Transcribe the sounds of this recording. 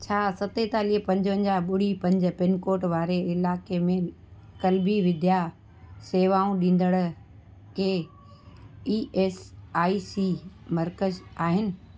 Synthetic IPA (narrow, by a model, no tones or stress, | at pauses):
t͡ɕʰaːsɐt̪et̪aːliɦpɐ̃ɲd͡ʑʋə̃ɲd͡ʑaɓʊɽ̤ipɐ̃ɲd͡ʑə̆pɪnkoːʈʋaːɾeɪlaːkemẽ | kɐlbiʋɪd̪ʱja | seːʋaːũɗĩːn̆d̪əɽ̃ | keː | iːʔeːsaːisimɐɾkəzaːɦɪnɪ̆